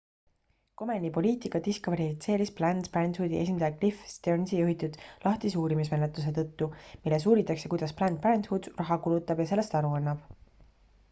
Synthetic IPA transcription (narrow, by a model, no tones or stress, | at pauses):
ko̞menʲipo̞liːt̪ˑikɑt̪iskvɑɾifit̪se̞ːɾisplænd̪̥pænd̪fuːd̪ie̞s̬ʲind̪ɑjɑklifst̪ernsijuɦit̪ud̪̥lʔɑht̪isuːɾimis̬me̞net̪lus̬e̞t̪ɤ̞t̪ːumilːes̬uːɾit̪ːˑɑkse̞kujd̪̥ɑsplænd̪̚prænt̪hud̪̥rɑɦɑkulut̪ˑːɑb̥jɑse̞lːe̞st̪ɑɾuɑnːɑb̥